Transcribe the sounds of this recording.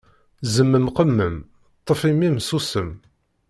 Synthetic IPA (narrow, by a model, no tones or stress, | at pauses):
zəmːəmqəmːəm | t̪ˤːəfimːimsusəm